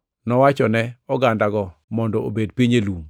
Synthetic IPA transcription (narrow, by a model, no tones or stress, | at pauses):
nɔwat͡ʃɔnɛɔɡandaɡɔmɔndɔo̰bedpiɲelum